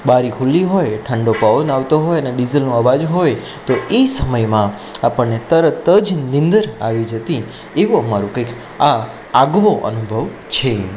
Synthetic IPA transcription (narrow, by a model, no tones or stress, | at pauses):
baɾikʰulːiɦojʈʰəɳɖopaʋonaʋt̪oɦojəneɖizəlnũəʋad͡ʒɦoj | t̪oesəməjmã | apəɳːet̪əɾət̪əd͡ʒnɪ̃nd̪əɾaʋid͡ʒət̪i | eʋũəmaɾũkəjk | a | aɡʋoʔə̰nubʱəʋ | t͡ʃʰe